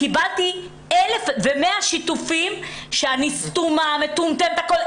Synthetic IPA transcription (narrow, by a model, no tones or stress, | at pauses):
kibalt̪i | elefvemeaʃit̪ufimʃeanist̪umamet̪umt̪emet̪akol